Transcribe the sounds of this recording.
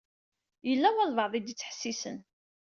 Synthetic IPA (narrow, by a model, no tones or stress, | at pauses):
jəlːæwælvɑʕðˤid̪ət͡sːħə̥sːisə̰n